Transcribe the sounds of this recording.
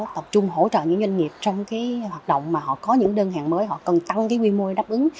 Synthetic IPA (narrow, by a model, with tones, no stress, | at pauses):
t̪ə˨˩p̚t͡ɕʊ˧ŋ͡mɦo̰˧˥t͡ɕə̰ː˧˨ɲɨ̰˧˥ŋzwa˧ŋ̟ŋi˨˩əp̚t͡ɕɔ˧wŋ͡mkaː˨˦jhwaː˨˩t̚ɗo̰˧˨wŋ͡mmaː˨˩hɔ̰˧˨kɔ˨˦ɲɨ̰˧˥ŋɗəː˧nɦa̰ː˨ŋməː˨˦jɦɔ̰˧˨kə˨˩nt̪a˧ŋkaː˨˦jʔwi˧mu˧jɗaː˦˥p̚ʔɨ˨˦ŋ